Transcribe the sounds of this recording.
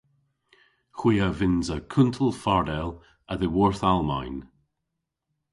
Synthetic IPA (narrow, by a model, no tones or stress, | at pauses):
xw̥iːəvɪnzəkʰʊntʰəlˠfaɹdɛlˠ | əðəwɔɹθalˠma̰jn